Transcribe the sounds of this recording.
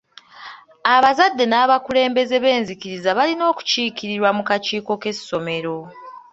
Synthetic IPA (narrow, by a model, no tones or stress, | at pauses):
aβazadːe̞naːβakule̞ːmbe̞ze̞βe̞ːnzikiɾizaβalino̞ːku̥ciːkiɾiɾwamukaciːko̞ke̞so̞me̞ɾo̞